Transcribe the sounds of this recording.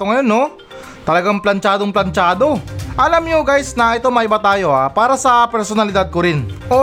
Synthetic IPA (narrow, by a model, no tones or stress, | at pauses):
t̪oŋɐjo̞nːo̞ | t̪ɐlɐɡaŋplɐnt͡ʃaːd̪oŋplɐnt͡ʃaːd̪o̞ʔɐlamɲoɡajsnɐʔɛt̪o̞mɐʔɪbat̪aːjo̞ʔapaːɾɐsɐpɛɾsonɐlɪd̪ad̪̚koɾɪnʔo